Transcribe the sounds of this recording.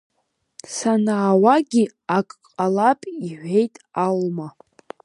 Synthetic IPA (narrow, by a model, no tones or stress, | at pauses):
sanaːwaɡʲi | akʼqʼqʼalapʼiħʷᶣe̞jtʼalma